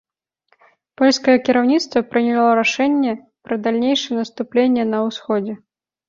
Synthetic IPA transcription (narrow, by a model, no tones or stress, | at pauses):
pɔlʲskɐjɛkʲiɾawnʲit̪st̪vɐpɾɨnʲɛlˠɔɾaʂɛnʲːɛ | pɾɐd̪alʲnʲejʂɛnɐst̪uplʲenʲːɛnɐwsxɔd͡zʲɛ